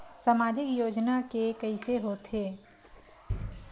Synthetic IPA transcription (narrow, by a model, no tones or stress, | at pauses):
samaːd͡ʒɪkjoːd͡ʒnakekəɪseɦoːt̪ʰeː